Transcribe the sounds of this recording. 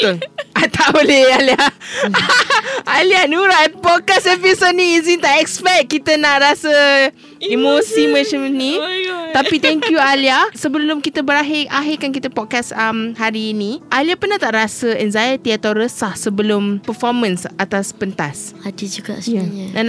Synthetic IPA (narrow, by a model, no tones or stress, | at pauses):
t̪ʊŋat̪ʰaʔolealia | alianuɾat̚pɔt̚kasɛpisod̚nĩːzint̪aʔɛkspɛk̚kit̪ənaʔɾasə | imosimə̃t͡ʃəmnĩt̪apit̪ɛŋkjualiasəbəlʊmkit̪əbəɾaɦɪʔaɦɪkankit̪əpɔt̚kasəmhaɾiːnĩʔaliahpərnaht̪aʔɾasəɛnzajət̪iat̪awɾəsahsəbəlʊmpəfɔmə̃nsʔat̪aspənt̪asadid͡ʒuɡa̰jaãn